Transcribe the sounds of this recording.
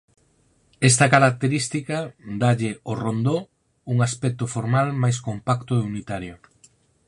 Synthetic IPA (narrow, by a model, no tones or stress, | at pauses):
est̪ɐkaɾak̚t̪eɾist̪ikɐd̪aʎɪorond̪o | uŋaspɛk̚t̪ʊfoɾmalmajskompakt̪oeunit̪aɾjo